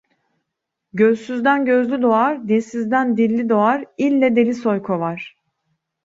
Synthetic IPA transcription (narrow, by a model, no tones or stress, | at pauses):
ɟøzsyzd̪ænɟø̞zlʲyd̪o̞aɾd̪esizd̪ænd̪ilʲːid̪o̞aɾilʲːɛd̪elʲisojkʰovaɾ̥